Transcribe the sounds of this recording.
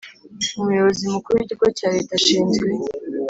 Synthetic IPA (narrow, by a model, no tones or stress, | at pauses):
umujo̞βozimukuɾuicikocaːɾe̞ːtaʃiːnzwe